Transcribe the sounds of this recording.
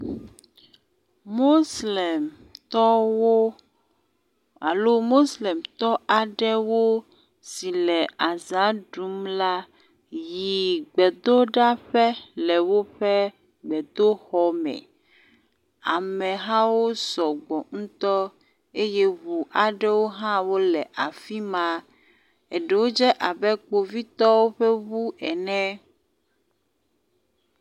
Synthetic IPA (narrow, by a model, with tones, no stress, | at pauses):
mo˦slɛ˨m | t̪ɔ˦wo˦ | a˨lo˦mo˦slɛ˨mt̪ɔ˦ʔa˨ɖɛ˦wo˦ | si˨lɛ˨a˨za˨˦ɖu˨˦mla˦ | ji˨ɡ͡bɛ˨d̪o˦ɖa˦ɸɛ˦lɛ˨wo˦ɸɛ˦ | ɡ͡bɛ˨d̪o˦xɔ˦mɛ̰̃˨ | a˨mɛ̃˨ɦã˦wo˦sɔ˨ɡ͡bɔ˨ŋũ˦t̪ɔ˦ | e˦je˦βu˨ʔa˨ɖe˦wo˦ɦã˦wo˦lɛ˨ʔa˨fi˦mã˦ | e˨ɖe˨wo˦d͡ʒɛ˦ʔa˨bɛ˦k͡po˨vi˦t̪ɔ˦wo˦ɸe˦βu˦ʔɛ˨nɛ̃˦